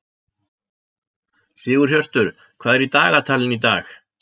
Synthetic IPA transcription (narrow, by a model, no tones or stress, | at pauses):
sɪːɣʏɾ̥çjœr̥t̪ʏɾ̥ | kʰvaːðɛɾit̪aːɣat̪ʰaːlɪnit̪a̰ːx